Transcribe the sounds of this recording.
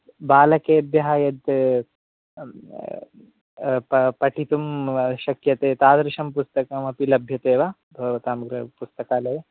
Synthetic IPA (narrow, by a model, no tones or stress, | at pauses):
baːlɐkeːɐb̪jɐɦaːjɐd̪ | ppɐʈʰit̪umʃɐkjɐt̪eːt̪aːd̪ɾɪʃɐmpust̪ɐkɐmɐpilɐbʱjɐt̪eːʋa | bʱɐʋɐt̪aːmɐɡɾɐpust̪ɐkaːlɐje